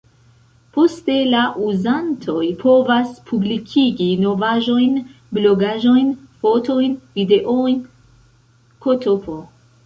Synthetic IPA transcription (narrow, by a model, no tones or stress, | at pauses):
pʰost̪e̞laʔuzant̪ʰojpʰovaspʰublikʰiɡinovaʒo̞jn | bloɡaʒo̞jnfot̪ʰojnvid̪eʔojn | kʰot̪ʰopʰo